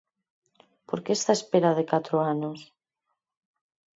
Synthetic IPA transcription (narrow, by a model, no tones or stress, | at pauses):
poɾkeːst̪aespeɾaðɪkat̪ɾoanos